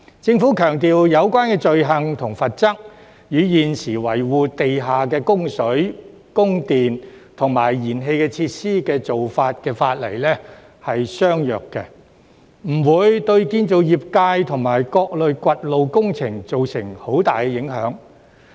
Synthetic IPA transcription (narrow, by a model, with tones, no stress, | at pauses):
t͡sɪ˧ŋfuː˨˥kʰœː˨˩ŋt̪iː˨wjɐ˨˧wkʷwaː˥nkɛː˧t͡ʃɵ˨ɥɦɐ˨ŋt̪ʰʊ˨˩ŋfɐ˨t̚t͡sɐ˥k̚ | jyː˨˧˥jiː˨nsiː˨˩wɐ˨˩jwuː˨˧t̪e˨jɦaː˨k̬ɛː˧kʊ˥ŋsɵ˨˥ɥ | kʊ˥ŋt̪iː˨n | t̪ʰʊ˨˩ŋmaː˨˩jːiː˨˩nɦe˧jkɛː˧t͡sʰiː˧t̚siː˥kɛː˧t͡so˨wfaː˧t̚kɛː˧faː˧t̚lɐ̰˨˩jlɛː˥ | hɐ˨jsœː˥ŋjœː˨kːɛ̰˧ | m̩˨˩wuː˨˧jt̪ɵ˧ɥkiː˧nt͡so˨wjiː˨p̚kaː˧jt̪ʰʊ˨˩ŋmaː˨˩jkɔː˧k̚lɵ˨ɥkʷɐ˧t̚lo˨wkʊ˥ŋt͡sʰɪ˨˩ŋt͡so˨wsɪ˨˩ŋho˨˥wt̪aː˨jkɛː˧jɪ˨˥ŋhœː˨˥ŋ